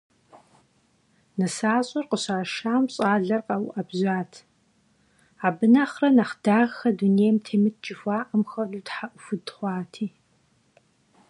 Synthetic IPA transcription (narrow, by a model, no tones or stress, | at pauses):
nɐsaːɕʼɐrqəɕaːʃaːmɕʼaːɮɐrqɐwʔɐbʑʷaːtʰ | aːbɨnaχrɐnɐχdaːʁxɐduneːjmtʰeːmɨt̚ʰt͡ʃʼɪfʷaːʔɐmxɐrduːtħaʔʷʊfɨdχʷɑːtʰiː